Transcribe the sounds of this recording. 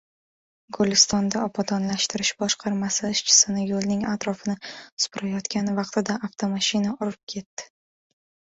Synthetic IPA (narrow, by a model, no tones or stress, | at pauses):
ɡolɪst̪ɒnd̪aɒpʰat̪ʰɒnlaʃt̪ɪɾɪʃbɒʃqʰɑɾmasɪɪʃt͡ʃʰɪ̥sɪnɪjolnɪŋat̪ɾɒfɪnɪsʊ̥pɾajɒt̪kʲanɪvɑqt̪ɪd̪aaft̪ʰomaʃinaʊɾɪp̚kʲʰe̞t̪ːɪ̥